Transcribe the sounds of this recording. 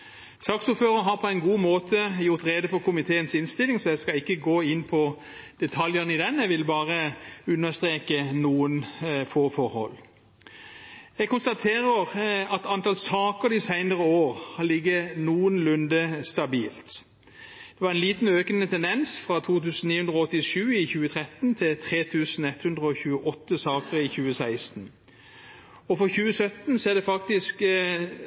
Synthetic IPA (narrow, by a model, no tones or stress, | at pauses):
sɑːksuːføːʁənɦɑʁpʰɔæɪnɡuːmoːt̪ʰəjʊʁt̪ʁeːd̪əfɔʁkʊmɪt̪ʰeːənsɪnst̪ɪlɪŋsɔjɛskɑɪkːəɡoːɪnːpʰɔ | d̪̥ɛt̪ʰɑljəʁnɪd̪ɛnjɛɡʋɪlbɑːʁəʉnːəst̪ʁeːkənuːənfoːfɔɾhɔ̰lː | ɛɡ̚kʊnst̪ɑt̪ʰeːʁəʁɑt̪ɑnt̪ɑlsɑːkəɾɪsæɪnəʁəoːʁhɑlɪɡːənuːənlʉnd̪əst̪ɑbiːlt̪ | d̪̥ɛʋɑɾɛnliːt̪n̩øːkənət̪ʰɛnd̪ɛnsfɾɑt̪ʰuːt̪ʉːsn̩iːhʉnd̪ʁɔɔt̪ːɪʃʉːɪçʉːət̪ʰʁɛt̪nt̪ʰɪlt̪ʰʁeːt̪ʰʉːsn̩ɛt̪hʉnd̪ʁəɔçʉːəʔɔt̪ːəsɑːkəɾɪçʉːəsæɪst̪n̩ | ɔfɔçʉːəsœt̪nsɔɛd̪ɛfɑkt̪ɪsk